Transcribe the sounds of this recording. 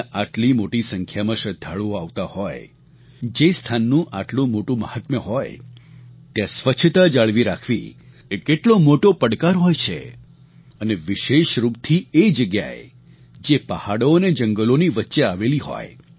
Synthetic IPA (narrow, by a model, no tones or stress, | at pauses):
ʔaʈlimoʈisəŋkʰjamãʃəd̪ʱːaɭuaʋt̪ahɔj | d͡ʒest̪ʰanːũʔaʈlũmoʈũməhat̪məɦɔj | t̪jãsʋət͡ʃʰət̪ad͡ʒaɭʋiɾakʰʋḭ | ekeʈlomoʈopəɽkaɾɦɔjt͡ʃʰḛ | əneʋiʃeʃɾup̚t̪ʰied͡ʒəɡja̰ḛ | d͡ʒepəhaɽoned͡ʒəŋɡəloniʋətːʃeaʋeliɦɔ̰j